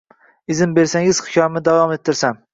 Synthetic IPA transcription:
ɪzɪmbe̞ɾsaŋɪz̥χɪ̥kʲʰɒɾmɪd̪avɒmet̪ʰːɪɾsam

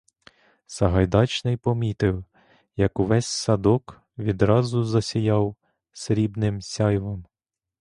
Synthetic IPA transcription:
sɐɦɐjd̪ɑt͡ʃnɪjpɔmʲit̪ɪw | jɐkuʋɛsʲsɐd̪ɔk | ʋʲid̪ɾɑzʊzɐsʲijɑw | sɾʲibnɪmsʲɑjʋɔm

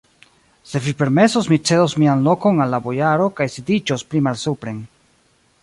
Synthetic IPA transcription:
se̞vipe̞ɾme̞sosmit͡se̞dosmianlo̞ko̞nalːabojaɾo̞kajsidid͡ʒospɾimalsupɾe̞n

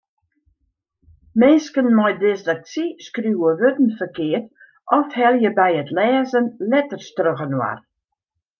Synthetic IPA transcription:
mɪnskənmɔjdɪsdək̚siskruwəʋøtn̩fərkɪːət | ʔɔfhɛlˠjəbɛjətlɛːzənlɛtərstrøɣənwa̰r

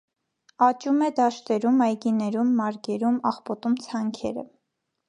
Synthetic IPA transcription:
ɑt͡ʃumɛd̪ɑʃt̪ɛɾumɑjɡinɛɾumːɑɾɡɛɾumɑ̰χpɔt̪umt͡sʰɑŋkʰɛ̰ɾə̰

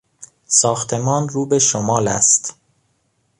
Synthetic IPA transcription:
sɒːxt̪ʰe̞mɒːnruːbe̞ʃomɒːlæ̰st̪

